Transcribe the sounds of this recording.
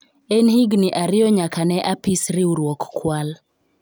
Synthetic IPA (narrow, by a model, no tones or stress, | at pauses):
ɛnhiɡnɪʔaɾɪjɔɲakanɛʔapisɾɪuɾwɔkːwal